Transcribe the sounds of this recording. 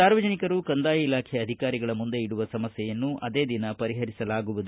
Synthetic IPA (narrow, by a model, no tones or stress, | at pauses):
aːɾʋɐd͡ʒɐnikɐɾukɐnd̪aːjɐilaːkʰɛɐd̪ʱikaːɾiɡɐɭɐmund̪e̞iɽuʋɐsɐmɐsjɛjɐnːuʔɐd̪e̞ːd̪inɐpɐɾiɦɐɾisɐlaːɡuʋud̪u